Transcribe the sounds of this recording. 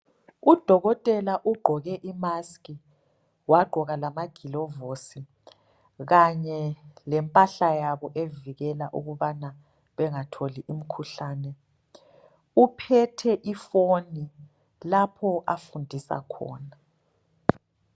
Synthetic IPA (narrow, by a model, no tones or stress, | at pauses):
ud̥ʱɔɣɔtʼɛlaʔuɡ͡ǃʱɔɣɛʔimaskʼi | waɡ͡ǃʱɔɣalamaɡ̥ʱilɔvosi | ɣaɲɛlɛmpʼaɬajaβɔʔeviɣɛlaʔṵɣuβana | βɛŋatʰoliʔim̩kʰuɬaːnɛ | upʰɛtʰɛʔifoni | lapʰɔʔafundʱisa̰kʰɔ̰ːna